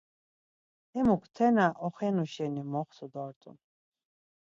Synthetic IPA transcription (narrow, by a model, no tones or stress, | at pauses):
ɛmukʰt̪ʰɛnaʔɔχɛnuʃɛnimɔχsud̪ɔɾt̪ʼṵn